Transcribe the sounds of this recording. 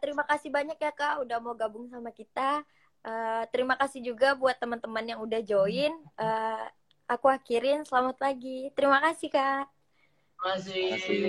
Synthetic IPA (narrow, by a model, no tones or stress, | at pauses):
t̪əɾimakasihbaɲak̚jakaʔudahmauɡabʊŋsamakit̪a | ʔəːt̪əɾimakasɪhd͡ʒuɡabuat̪ːəmənt̪əmənjaŋudahd͡ʒoɪnəː | akuakiɾɪnsəlamat̪laɡit̪əɾimakasɪhka | asi